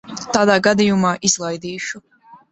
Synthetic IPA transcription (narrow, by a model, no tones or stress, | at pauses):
t̪aːd̪aːɡad̪ijumaːʔizlˠajd̪iːʃu